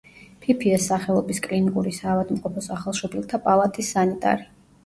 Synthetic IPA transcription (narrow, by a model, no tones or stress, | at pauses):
pʰipʰiɛsːaχɛlˠɔbiskʼlinikʼuɾisaːvad̪mqʼɔpʰɔsaχalˠʃɔbilˠt̪ʰapʼalˠat̪ʼisːanit̪ʼa̰ɾi